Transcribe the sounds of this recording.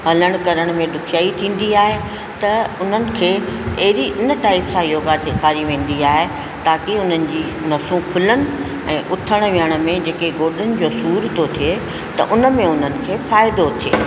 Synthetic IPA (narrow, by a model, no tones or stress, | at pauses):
ɦɐləɽ̃kɐɾəɽ̃mẽɗʊkʰijaːit̪ʰĩːn̆d̪iaːɦe | t̪ɐʊn̤ənɪ̆kʰeːɐɦɪɾiʔɪnəʈaːɪpsãiɾoːɡaːɾseːkʰaːɾiʋẽːn̆d̪iaːɦe | t̪aːkiʊn̤ənɪ̆d͡ʑiː | nɐsũkʰʊlənɪ̆ | ɛ̃ːʔʊt̪ʰəɽ̃ʋijəɽ̃ʊ̆mẽd͡ʑeːkeɡoːɗənɪ̆d͡ʑoːsuːɾt̪ot̪ʰie | t̪ɐ̰ʔʊnə̆mẽʊn̤ənɪ̆kʰeːfaːɪd̪ot̪ʰieː